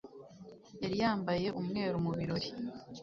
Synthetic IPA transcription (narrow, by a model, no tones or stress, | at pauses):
eɾijaːmbaje̞ʔumŋe̞ːɾumuβiɾo̞ɾi